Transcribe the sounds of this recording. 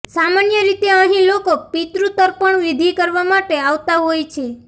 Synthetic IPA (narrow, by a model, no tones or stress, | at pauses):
samanjəɾit̪eəɦĩlokopit̪ɾut̪əɾpəɳʋid̪ʱikəɾʋamaʈeaʋt̪aɦojt͡ʃʰe